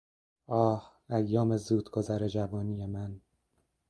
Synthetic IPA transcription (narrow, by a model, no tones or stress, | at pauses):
ɒːh | æjːɒːmezuːd̪ɡʰo̞zæɾed͡ʒævɒːnijemæn